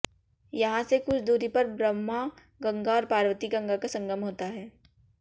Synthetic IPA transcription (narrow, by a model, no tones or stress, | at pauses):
jɐɦãsekʊt͡ʃʰd̪uːɾipɐɾbɾəmːa | ɡɐ̃ŋɡaɔːɾpaːɾwət̪iɡɐ̃ŋɡakasɐ̃ŋɡəmɦoːt̪aɦɛː